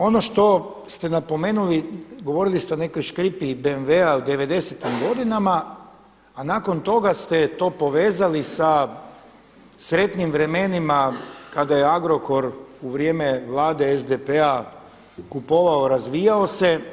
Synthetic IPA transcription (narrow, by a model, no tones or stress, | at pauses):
o̞no̞ʃt̪o̞ | st̪e̞napo̞me̞ːnuliɡo̞ʋo̞ɾilist̪eone̞ko̞jʃkɾipibeːnʋeaud̪e̞ʋe̞d̪e̞set̪imɡo̞d̪inamaː | naːko̞nt̪o̞ɡast̪et̪o̞ːpo̞ʋeːzalisa | sɾe̞t̪nimʋɾe̞me̞nimakad̪ajeaɡɾo̞ko̞ɾuʋɾje̞ːmeʋlˠaːd̪e̞ezd̪epea | kupo̞ʋaoɾazʋiːjaose̞